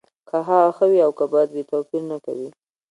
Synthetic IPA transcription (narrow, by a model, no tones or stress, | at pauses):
kʰaɦɑɣaxəwiawkabɑjad̪bet̪apiɾnaka̰wi